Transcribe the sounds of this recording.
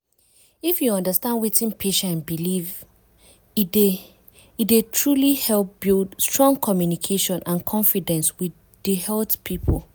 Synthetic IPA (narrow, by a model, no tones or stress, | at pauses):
ifjuɔ̃ndəstãndwitĩnpʰeʃaãnbiliv | d | idetʰɹulihɛlp̚b̥ildstɹɔ̃ŋkʰɔmjunikʰeʃɔ̃nʔãnkʰɔ̃ɱfidɛ̃nswi | dihɛltpʰipʰol